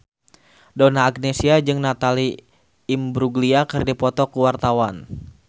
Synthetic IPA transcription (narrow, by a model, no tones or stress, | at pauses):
donaːk̚nesiad͡ʒɨŋnat̪aliː | mbɾuɡliakɨrdipɔt̪ɔkuwart̪awan